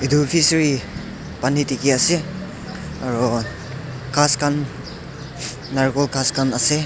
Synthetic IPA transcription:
idupʰisɾi | panitikease | aɾɔ | kʰaskan | aɾkɔlkʰaskanɐse

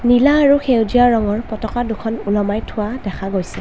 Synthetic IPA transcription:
nilaːɹuxʰewdijaɹɔŋɔɹpɔtɔkadukʰɔnulɔmajtʰʊwadɛkʰaɡojsɛ

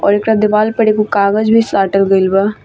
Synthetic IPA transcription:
ɔ̰ːɾɪkɾad̪ɪbaːlpəɽekukaːɡəzbʱiːsʈaːɾʈəlɡəilba

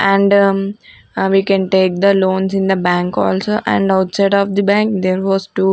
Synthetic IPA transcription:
ʔæ̃ɳɖ | ʋiːkɛ̃nʈeːk̚d̪əlõːnsɪ̃nd̪əbæ̃ŋkɔ̰ːlsoːʔæ̰̃ɳɖaʊʈsaɪɖɔːʋd̪ibæ̃ŋkd̪eːɾʋɔːzʈu

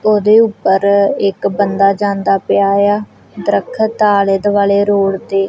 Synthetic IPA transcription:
oːd̪eːʊpːəɾɪkbənd̪aːd͡ʒãːnd̪aːpɪjaːjaː | d̪ɾəkʰt̪aːləd̪ʋaːleːɾoːɽd̪eː

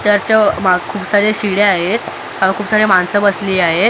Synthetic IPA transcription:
t̪jaɾt͡ɕamakʰuːpsaɾeɕiɽeaɦet̪ | aʋakʰuːpsaɾemansəbəsliːaɦe

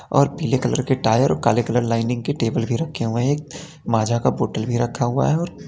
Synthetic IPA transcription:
ɔ̰ːɾpiːlekələɾkeʈaːjəɾɔːɾkaːlekələɾlaːɪnɪ̃ŋɡkeʈeːbəlbʱiɾɐkʰːeɦʊeɦeːk̚ | maːd͡ʒʱakaboːʈəlbʱiɾɐkʰːaɦʊa̰ɦɛɔːɾ

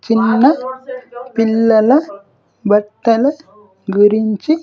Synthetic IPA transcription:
t͡ʃɪnːɐ | pɪlːɐlɐ | bɐʈːɐlɐ | ɡɪɾɪɲd͡ʒi

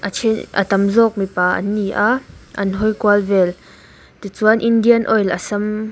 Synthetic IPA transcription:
ʔat͡ʃʰinʔə̰t̪ɐmzɔːk̚mipaːʔɐ̰nːiʔaʔɐ̰nɦɔjkuəlvɛl | t̪it͡suənʔindiənʔɔjlasɐm

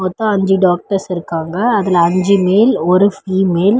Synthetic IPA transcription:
ɔt̪ːɐ̃ɐɲd͡ʒɯɖaːk̚ʈɐɾsɪɾɯkːaːŋɡɐːðɪlɐɐɲd͡ʒɯmeːlɔɾɯfiːmeːl

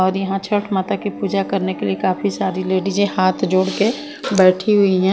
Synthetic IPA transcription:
ɔːɾjɐɦãt͡ʃʰɐʈʰmaːt̪akipuːd͡ʒakɐɾnekeliekaːfisaːɾileːɖid͡ʒẽhaːt̪ʰd͡ʒoːɽke | bɛːʈʰiɦʊiɦɛ̃ː

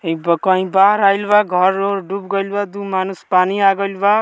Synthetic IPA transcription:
ebkʌ̃ɦĩbaɦɾajlbaɡʱʌɾːoɾɖubɡʌjlbad̪umanuspaniaɡʌlba

